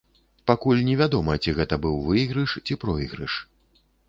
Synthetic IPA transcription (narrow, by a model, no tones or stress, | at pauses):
pakulʲnʲɛvʲad̪ɔmɐt͡sʲiɣɛt̪ɐbɨwvɨɣɾɨʂt͡sʲipɾɔiɣɾɨ̰ʂ